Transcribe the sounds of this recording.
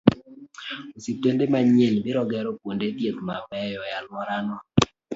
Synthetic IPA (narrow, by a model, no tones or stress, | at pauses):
ositendemaɲelbɪɾɔɡɛɾɔkwondet̪jetmamɛjɔjalmɔɾanɔ